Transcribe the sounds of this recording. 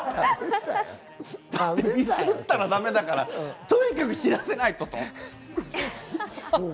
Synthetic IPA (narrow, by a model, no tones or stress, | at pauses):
d̪̥aemʲisɯtt̪ːaɾad̪ame̞d̪akaɾat̪oikakɯ̟çiɾase̞nait̪o̞t̪o